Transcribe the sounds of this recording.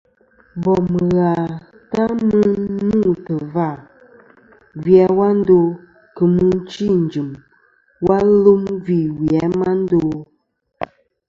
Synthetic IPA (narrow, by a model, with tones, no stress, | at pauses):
bɔ˨mə˨ɣa˨ | ta˦mə˦nu˦˨tə˨va˦˨ | vja˨˦wa˦n̩˦do˦˨ | kə˨mɨ˦n˦t͡ʃi˦˨n̩˨d͡ʒɨ˨m | wa˦lo˦mvi˦˨wi˨ɛ˨˦ma˦n̩˦do˦